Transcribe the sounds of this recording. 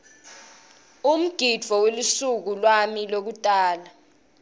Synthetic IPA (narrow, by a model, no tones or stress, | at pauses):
um̩ɡ̥ʱid̥d͡v̥ʱɔwelusuk̬ulwamilok̬utʼaːla